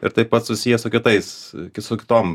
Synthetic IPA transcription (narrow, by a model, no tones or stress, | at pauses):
ɪ̰ɾt̪ɐɪppɐt̪sʊsʲijɛsʊkʲɪt̪ɐɪskʲɪsʊkʲɪ̥t̪oːm